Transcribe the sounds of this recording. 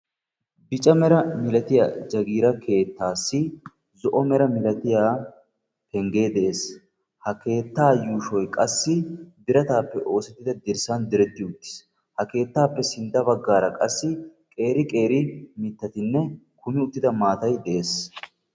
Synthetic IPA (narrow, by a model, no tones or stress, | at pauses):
bɪt͡ʃʼɐmɛɾɐmɪlɐt̪ɪja̰ːd͡ʒɐɡiːɾɐkʰe̞ːt̪ːaːsːɪ | zɔʔɔmɛɾɐmɪlɐt̪ɪjaː | kɛŋɡe̞ːd̪ɛʔe̞ːs | hɐke̞ːt̪ːaːjuːʃɔjkʼɐsːɪbɪɾɐt̪aːpːɛʔo̞ːsɛt̪ːɪd̪ɐd̪ɪɾsɐnd̪ɪɾɛt̪ːɪʊt̪ːɪ̥s | hɐke̞ːt̪ːaːpːɛsɪnd̪ɐbɐɡːaːɾɐkʼɐsːɪkʼe̞ːɾɪkʼe̞ːɾɪmɪt̪ːɐt̪ɪnːɛ | kʰʊmɪʊt̪ːɪd̪ɐmaːt̪ɐjd̪ɛʔe̞ːs